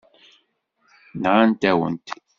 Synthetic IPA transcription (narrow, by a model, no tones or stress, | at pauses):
nʁant̪æwə̰nt̪